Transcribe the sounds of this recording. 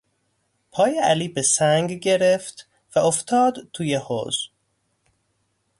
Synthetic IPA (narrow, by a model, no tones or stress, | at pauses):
pʰɒːjeæliːbesæŋɡɟe̞ɾeft̪ | væoft̪ʰɒːd̪t̪ʰuːjeho̰z